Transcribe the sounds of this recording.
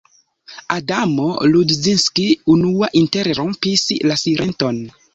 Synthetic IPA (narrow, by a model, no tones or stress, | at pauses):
adamoludzinskiunuaʔinteɾɾompislasiɾʔenton